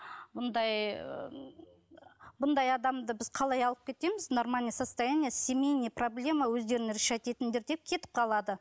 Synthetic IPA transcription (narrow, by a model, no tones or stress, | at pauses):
bʊnd̪ɑj | bʊnd̪ɑjɑd̪ɑmd̪əbɪzqʰɑlˠɑjɑlˠəp̚kʲʰe̞t̪e̞mɪznormanʲijsast̪ajanʲijəsʲemʲe̞jnəjproblʲe̞mawɵzd̪e̞ɾɪnɾeʃɑjt̪e̞t̪ɪnd̪e̞ɾd̪e̞p̚kʲʰe̞t̪ɪ̥p̚qʰɑlˠɑd̪ə